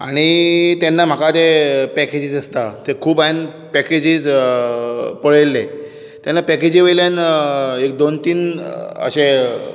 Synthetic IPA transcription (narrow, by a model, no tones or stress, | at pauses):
a̰ɽ̃it̪anːam̤akat̪epɛked͡ʑiːd͡zəst̪at̪ekʰuːban | pɛked͡ʑiːd͡z | pəɭelːe | t̪janːapɛked͡ʑiːʋəjljanek̚d̪ont̪iːnə̰ɕẽ